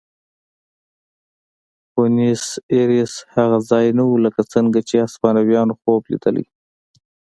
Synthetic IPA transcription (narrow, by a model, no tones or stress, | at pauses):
oniseɾishaɣazɑjnawuləkat͡səŋɡat͡ʃeaspɑnawjɑnoxoblḭd̪ə̰lḭ